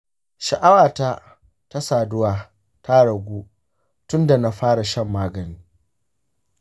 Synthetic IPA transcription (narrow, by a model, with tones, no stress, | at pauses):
ʃɐ˨ʔa˦waː˨ta˦ | ta˦saː˨dʊ˦waː˨ | tʰa˦ɽɐ˨ɡʷuː˦ | tʊ˦nda˨na˦ɸaː˦ɽa˨ʃɐ˦mːaː˦ɡɐ˨niː˦